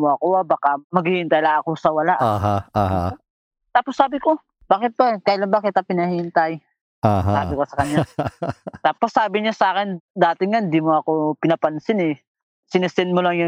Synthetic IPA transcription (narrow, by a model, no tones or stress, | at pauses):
moɐkoabaːkamɐɡhɪːhɪnt̪ɐjlɐŋɐkosɐwɐlaʔaɦaaɦa̰ | t̪aːposːaːbɪko̞ | b̥aːkɪt̪̚bakɐjlanbaːkɪt̪ːɐpɪnɐhiɪnt̪ɐj | ʔaɦasa̰ːbɪkosɐkɐɲja | t̪aːposːaːbɪɲasʔaːkɪnd̪aːt̪ɪŋaɪnd̪iːmoɐkopɪnɐpɐnsɪnɛ | sɪnɪsɪnmolɐŋjʊ